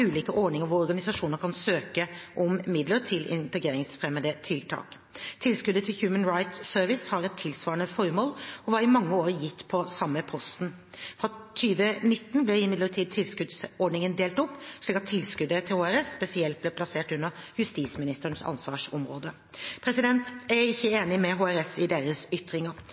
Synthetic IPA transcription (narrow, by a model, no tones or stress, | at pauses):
ʉːliːkəʔɔɖɳɪŋəɾʋʊɔɾɡɑnɪsɑʂuːnəɾkʰɑnsøːkəʔɔmmɪd̪ləɾʈ̪ʰɪlɪ̰nt̪ɛɡɾeːɾɪŋsfɾɛmːəd̪ət̪ʰɪlt̪ʰɑ̰ːk | t̪ʰɪlskʉd̪ət̪ʰɪlçjʉːmənɾaɪt̪søɾʋɪshɑɾɛt̪ʰːɪlsʋɑːɾənəfɔɾmoːlɔʋɑɾɪmɑŋːəoːɾjɪt̪ːpʰɔsɑmːəpʰɔst̪n̩ | fɾɑt̪ʰyːʋənɪt̪ːn̩blɛɪmɪd̪ləʈʰiːd̪̚t̪ʰɪlskʉd̪sɔɖɳɪŋənd̪eːlt̪ɔpːʂɭiːkɑt̪ʰːɪlskʉd̪ət̪ʰɪlhoːæɾɛsːpɛsɪɛlt̪̚blɛːpʰlɑseːʈʉnːəjʉst̪iːsmɪnɪst̪əɳsɑ̰nsʋɑ̰ːʂɔ̰mɾoːd̪ə | pʰɾɛsɪd̪ɛnt̪æɪçːəeːnɪmɛɦoːæɾɛsɪd̪eːɾəsʏt̪ɾɪŋəɾ